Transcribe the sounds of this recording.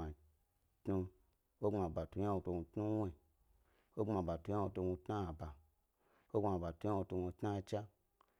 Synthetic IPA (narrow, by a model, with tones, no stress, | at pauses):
a˨ | tnu˧ | o˦ŋ͡ma˨ba˨tu˧˦a˦o˧to˧ũ˧tnu˦we˨ | o˦ŋ͡ma˨ba˨tu˧˦a˦o˧to˧ɡũ˧tna˦a˨ba˨ | o˦ma˨ba˨tũ˧˦a˦o˧to˧ɡʷo˧tna˦˧t͡ʃa˦